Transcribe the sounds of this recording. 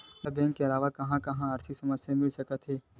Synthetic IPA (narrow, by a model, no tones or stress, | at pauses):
əbɛ̃ːŋkːeɐlaːʋakɐɦãkɐɦãɐɾt̪ʰisɐməsjamɪlsɐkət̪ɦeː